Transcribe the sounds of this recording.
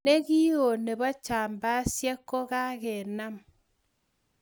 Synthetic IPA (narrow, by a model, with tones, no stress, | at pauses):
e˦ɣi˦o˨ne˨βa˦t͡ʃaː˨mba˦sjɛ˦kːo˦ɣa˦ɣe˨na˦m